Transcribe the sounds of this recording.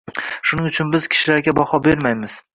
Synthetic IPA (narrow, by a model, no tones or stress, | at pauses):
ʃʊnɪŋʊt͡ʃʰʊnbɪz̥kʲʰɪ̥ʃɪlaɾɡʲabɒhɒbe̞ɾmajmɪz̥